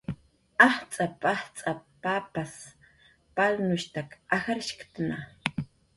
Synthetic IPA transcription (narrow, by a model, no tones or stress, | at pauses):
ɑht͡sʼapaht͡sʼapapas | palnʊʃt̪akaxaɾɪʃkt̪ana